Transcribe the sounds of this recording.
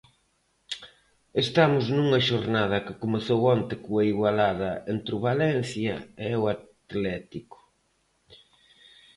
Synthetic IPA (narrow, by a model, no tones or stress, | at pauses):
est̪amʊznuŋɐʃoɾnað̞ɐkɪkomeθowant̪ɪkuɐiɣwalaðɐent̪ɾʊβalɛnθjɐewat̪lɛt̪ikʊ̥